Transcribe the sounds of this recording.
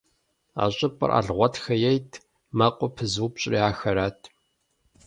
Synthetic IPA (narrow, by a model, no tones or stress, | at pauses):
a̰ːɕʼɪpʼɨ̰rʔa̰ːɮʁʷɔtxɐjɛjtʰ | mɐqʷʼʊpʰɨzuwpɕʼriaːxɐɾaːtʰ